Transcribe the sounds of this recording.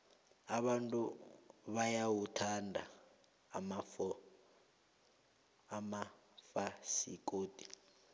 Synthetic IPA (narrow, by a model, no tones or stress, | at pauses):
aɓantʼuβajawutʰandʱa̰ | ma | ma | fasḭkʼoːd̥ʱi̥